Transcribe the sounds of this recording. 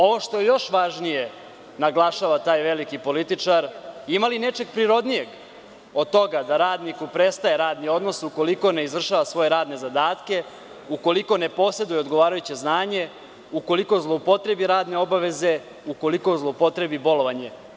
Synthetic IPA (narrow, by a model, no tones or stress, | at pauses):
o̞ʋo̞ʃt̪ojejo̞ʃʋaʒnije̞ | naɡlˠaʃaʋat̪aːjʋe̞likipo̞lit̪it͡ʂaɾimaline̞t͡ʃe̞ɡ̚pɾiɾo̞d̪nije̞ɡ | o̞d̪̚t̪o̞ɡad̪aɾaːd̪nikupɾest̪aje̞ɾaːd̪nio̞d̪no̞suko̞liko̞neizʋr̩ʃaʋasʋo̞je̞ɾaːd̪nezad̪aːt̪ke̞ | uko̞liko̞ne̞po̞se̞d̪ujeo̞d̪ɡo̞ʋaːɾajut͡ɕe̞znaːɲe̞ | uko̞liko̞zlˠopo̞t̪ɾe̞biɾaːd̪ne̞o̞baʋe̞ze̞ | uko̞liko̞zlˠopo̞t̪ɾe̞bibo̞lo̞ʋaɲe̞